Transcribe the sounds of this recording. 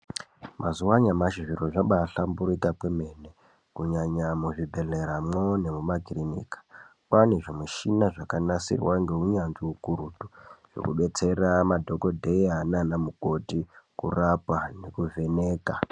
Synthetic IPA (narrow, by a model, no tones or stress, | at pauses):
mʔazuwaɲamaʃiʐiroʐaɓaɬambuɾitakwemene | kuɲaɲamuʐibʱe̞ɮeɾamone̞mumaɡʱirinḭːkḁkwaneʐomuʃinaʐakanasḭrwaŋɡe̞ɦuɲanziukuɾutuʐ̥o̰kuɓe̞t͡se̞ramadʱo̞ko̞dʱejananamuko̞tikṵrapane̞kuve̞ne̞ːka